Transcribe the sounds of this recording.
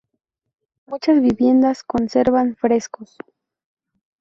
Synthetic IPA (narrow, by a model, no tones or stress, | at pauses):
mut͡ʃasbibje̞nd̪askonseɾβaŋfɾeskos